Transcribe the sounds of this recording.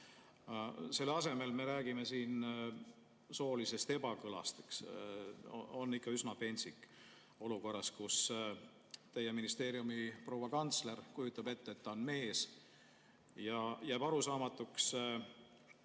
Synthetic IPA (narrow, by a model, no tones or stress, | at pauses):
se̞lːɑse̞me̞lme̞ɾæːɡime̞siːn | so̞ːlise̞st̪e̞bɑkɤlɑ̰st̪eks | oo̞nːikːɑysnɑpe̞nʲsikːˑ | o̞luko̞rːɑskus | t̪e̞jːeminist̪e̞ːɾiumipro̞wɑkɑnt̪sle̞rkujut̪ːˑɑb̥e̞t̪ːeet̪ːɑonme̞ːs | jɑjæːb̥ɑɾusɑːmɑt̪ːuks